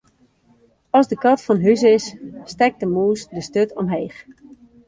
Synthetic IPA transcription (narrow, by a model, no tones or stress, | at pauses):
ɔzdəkɔtfɔnɦysɪsːtɛk̚dəmuːsdəstøtʰɔmɦeːx